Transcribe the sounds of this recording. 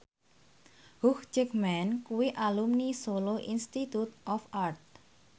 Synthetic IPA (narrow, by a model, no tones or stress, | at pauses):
huxt͡ʃɛkmɛnkuwiʔalumnisoloʔinst̪it̪ut̪ɔfart̪̚